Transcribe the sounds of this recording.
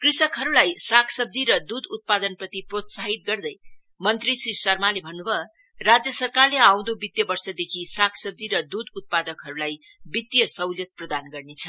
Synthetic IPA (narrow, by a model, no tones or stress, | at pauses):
krisʌkɦʌɾulajsakʰsʌb̚d͡ziɾʌd̪ud̪ut̪̚pad̪ʌnprʌt̪iprot̪saɦit̪̚ɡʌrd̪ʌj | mʌnt̪risrisʌrmalebʱʌnːubʱʌ | rad͡zjʌsʌrkarleaw̃d̪obit̪jʌbʌrsʌd̪ekʰisakʰsʌb̚d͡ziɾʌd̪ud̪ut̪̚pad̪ʌkɦʌɾulaj | bit̪jʌsʌwljʌt̪̚prʌd̪anɡʌrnet͡sʰʌ